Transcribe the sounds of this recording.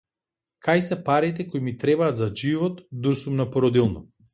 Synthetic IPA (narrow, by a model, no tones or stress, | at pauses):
kʰajsɛpaɾit̪ɛkojmit̪ɾɛbaːt̪zaʒivɔt̪d̪uɾsumnapɔɾɔd̪ilˠnɔ